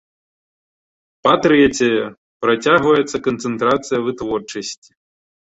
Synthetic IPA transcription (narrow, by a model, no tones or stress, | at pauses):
pɐt̪ɾɛt͡sʲɛjɛ | pɾɐt͡sʲaɣvɐjɛt̪sɐkɐnt̪sɛnt̪ɾat̪sɨjɐvɨt̪vɔrt͡ʂɐsʲt͡sʲi̥